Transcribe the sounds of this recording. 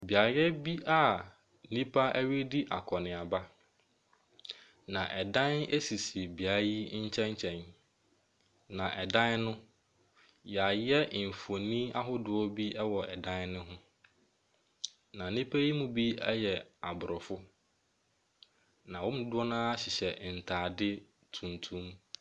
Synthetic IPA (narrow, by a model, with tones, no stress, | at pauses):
bi˨a˨jɛ˦bi˦a˨˦ | nĩ˦pʰa˦ɛ˦ɥi˦di˦ʔa̰˨kʰɔ˨nɪ̃˨a˨ba˦ | nã˨ʔɛ˨dã˦ne˦si˨si˨bi˨a˨˦ji˦ɲ̩˦t͡ɕʰɛ̃˦ɲ˦t͡ɕʰɛ̃˨n | nã˨ʔɛ˨dã˦nnʊ̃˦ | ja˨jɛ˦˨fu˨o˨nĩ˦a˦ɦʊ˦dʊ˨ɔ˦bi˦ɛ˦wɔ˨ɛ˨dã˦nnʊ̃˦ɦʊ̃˦ | nã˨nɪ̃˦pʰe˦i˦mũ˦bi˦ɛ˦jɛ˨a˨bʊ˨ɾɔ˨fʊ˦ | nã˨wɔ̃˦m˨˦dʊ˦ɔ˦nãː˦a˦ɕɪ˨ɕɛ˨n̩˨tʰaː˨dɪ˦ | tʰũ˨ntʰũ˦m